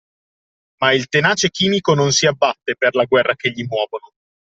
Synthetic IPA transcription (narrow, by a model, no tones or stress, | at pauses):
mailt̪enaːt͡ʃekiːmikononsiabːat̪ːeperlaɡwɛrːakeʎːimwɔːvono